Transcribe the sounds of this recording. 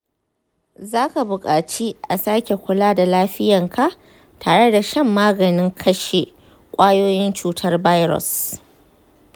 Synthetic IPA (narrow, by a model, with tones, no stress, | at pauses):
zaː˦ka˨bʊ˨kʼaː˨t͡ʃi˦ʔa˨saː˦kʲe˨kʷʊ˨laː˦da˨laː˦ɸɪ˦jɐ˨ŋkʰa˦ʔ | tʰaː˨ɽe˦da˨ʃɐ˦mːaː˦ɡɐ˨nɪ˦ŋkʰɐ˦ʃe˨ | kʷʼaː˦joː˦jɪ˦nt͡ʃuː˦tʰɐ˦rba˦jɾɔ̰˨s